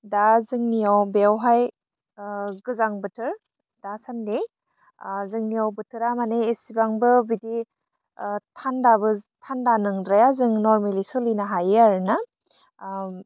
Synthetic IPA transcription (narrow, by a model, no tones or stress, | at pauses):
dazɯŋnijawbewɦaj | ɡɯzaŋbɯtʰɯɾ | dasande | zɯŋnijawbɯtʰɯɾamaneːsibaŋbɯbidi | tʰandabɯtʰandanɯŋɾajazɯŋnɔɾmelisɯlinaɦajaɾna